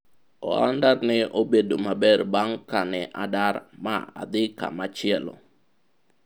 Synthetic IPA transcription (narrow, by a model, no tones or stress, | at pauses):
ɔ̰a̰ndarnɪʔobedomabɛrbaŋkanɛʔadaɾma̰a̰d̪ɪka̰mat͡ʃɪɛlɔ̰